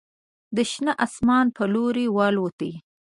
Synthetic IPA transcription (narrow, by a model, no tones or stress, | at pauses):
d̪əʃnaʔasmɑnpəloɾewɑlwət̪i